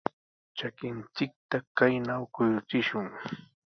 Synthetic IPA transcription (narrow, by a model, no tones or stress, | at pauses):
t͡ʃakɪnt͡sɪk̚t̪akajnawkʊjʊt͡sɪʃʊŋ